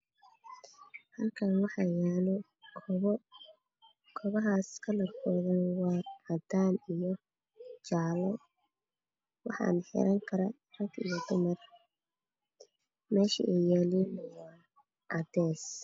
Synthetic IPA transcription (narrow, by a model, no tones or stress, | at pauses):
hɐlkʰɐnwɑħɑjaːlɔ | kʰɔβɐɦaːskʰɐlɐrkʰɔːðɐnwɑːɐd̪aːnijɔ | t͡ʃaʕlɔ | wɑħɑ̰nħɛ̰ɾʔɐŋkʰɐɾɐ | rɐɡijɔd̪ʊmɐr | mɛːʃɐ̰ʔɛjɛːlinja | ʔɑd̪ɛːs